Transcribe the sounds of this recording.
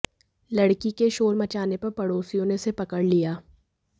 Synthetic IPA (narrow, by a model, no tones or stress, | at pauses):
lɐɽkikeʃoːɾmɐt͡ʃaːnepɐɾpɐɽoːsijõnesepɐkəɽlijaː